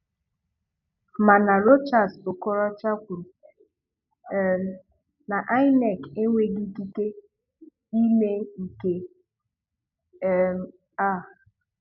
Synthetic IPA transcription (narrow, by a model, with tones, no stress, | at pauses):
ma˨na˨ɾo˦t͡ʃa˨so˨kɔ˦ɾɔ˦t͡ʃa˦kʷu˨ɾ | na˨ʔa˦ɪ˦nɛ˨ke˦ŋʷe˦ɡi˦ki˦ke˦ | i˦me˦i˨ke˦˨ | m˦ | a˦˨